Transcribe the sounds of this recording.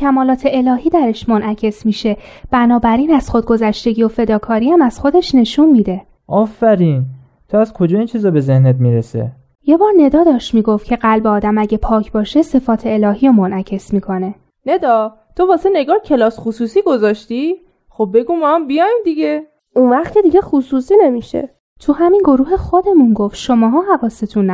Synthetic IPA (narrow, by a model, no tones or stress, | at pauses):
cʲʰæmɒːlɒːt̪ʰe̞ʔelɒːɦiːd̪æɾeʃmonʔæcʰe̞smiːʃe̞ | b̥ænɒːbæɾiːnæz̥xod̪̚ɡo̞zæʃt̪e̞ɟijo̞fe̞d̪ɒːkʰɒːɾiːæmæz̥xo̞d̪e̞ʃne̞ʃunmiːd̪e̞ | ʔɒːfæɾiːn | t̪ʰoæzkʰo̞d͡ʒɒːiːnt͡ʃʰiːzɒːbe̞zehnet̪̚miːɾesḛ | je̞bɒːɾne̞d̪ɒːd̪ɒːʃt̪miːɡo̞ft̪cʰe̞ɢælbeɒːd̪æmæɟepʰɒːcʰbɒːʃe̞se̞fɒːt̪ʰe̞ːlɒːhiɾomonʔæcʰe̞smiːkʰo̞ne̞ | ne̞d̪ɒː | t̪ʰo̞vɒːse̞neɡɒːhcʰe̞lɒːsxusuːsiːɡo̞zɒːʃt̪i | xob̚be̞ɡumɒambijɒːjmd̪iɟe | unvæχt̪cʰʲe̞d̪iɟeχusuːsinemiʃḛ | t̪ʰuhɦæminɡo̞ɾuːɦe̞xod̪e̞munɡoft̪ʃomɒːɦɒːɦævɒːset̪ʰun